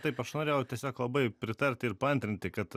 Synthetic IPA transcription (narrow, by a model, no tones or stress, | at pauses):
t̪ɐɪpɐʃnoːɾʲeːjɛʊt̪ʲiɛsʲoːklˠɐbɐɪpʲɾʲɪt̪ɐɾʲt̪ʲɪɪɾpɐɐnʲt̪ʲɾʲɪnʲt̪ʲɪkɐt̪